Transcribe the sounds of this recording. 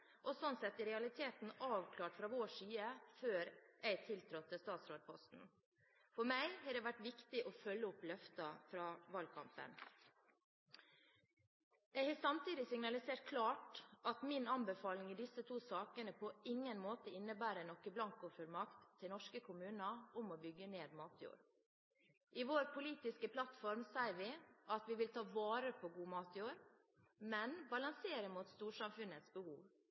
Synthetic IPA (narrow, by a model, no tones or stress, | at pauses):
ʔɔsɔnsɛt̪ːɪɾɛɑlɪt̪ʰeːt̪n̩ɑːʋkʰlɑːʈfɾɑːʋoːʂyːəføːɾʔɛɪt̪ʰɪlt̪ʰɾɔt̪ʰːəst̪ɑːt̪sɾoːd̪̚pʰɔst̪n̩ | fɔɾmæɪhɑːɖɛːʋæʈʋɪkt̪ɪʔɔfœlːəʊplœft̪ɑfɾɑːʋɑlkʰɑ̰mpə̰n | jɛɪhɑːsɑmt̪ʰiːd̪ɪsɪŋnɑlɪseːʈ̚kʰlɑːʈɑt̪mɪnɑnbəfɑːlɪŋiːd̪ɪsət̪ʰuːsɑːkənəpʰɔɪŋːənmoːt̪əɪnːəbæːɾənɔkːəblɑŋkʊːfœɾmɑkt̪ʰːɪlnɔʂkəkʰʊmʉːnəʊmɔbʏɡːəneːd̪mɑːt̪ʰjṵːɾ | ʔɪʋoːɾpʰʊliːt̪ɪskəpʰlɑt̪fɔɾmsæɪʋɪʔɑt̪ʋɪʋɪlt̪ʰɑːʋɑːɾəpʰoɡuːmɑːt̪juːɾ | mɛnbɑlɑŋseːɾəmuːt̪st̪uːʂɑmfʉnət̪sbəhṵːʋ